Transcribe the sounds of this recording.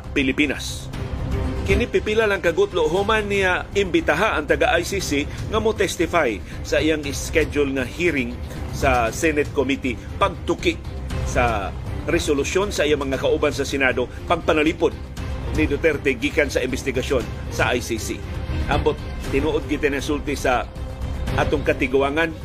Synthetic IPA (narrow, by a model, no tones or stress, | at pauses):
pɪlɪpina̰s | kɪnɪpɪpilalɐŋkɐɡʊt̪loɦʊmanːijaɪmbɪt̪aɦaʔɐŋt̪ɐɡaʔajsisiŋamot̪ɛst̪ɪfaj | sɐʔɪjaŋɪskɛd͡ʒʊlŋahiɾɪŋ | sasɛnɛt̪̚komit̪i | pɐɡ̚t̪ʊkɪʔsaɾɛsolʊsjonsɐʔijamɐŋakaʔubansɐsɛnad̪o | pɐɡ̚pɐnaliːpod̪̚ | nɪd̪ot̪ɛɾt̪ɛɡiːkansɐɪmbɪst̪ɪɡason | sɐʔajsisḭʔambot̪̚ːɪnuːʔod̪̚kɪt̪ɛnsult̪ɪsa | ʔaːt̪oŋkɐt̪ɪɡʊaŋan